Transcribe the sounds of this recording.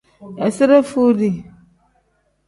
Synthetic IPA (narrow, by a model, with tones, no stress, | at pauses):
a˨sɪ˦ɾa˦fu˦di˨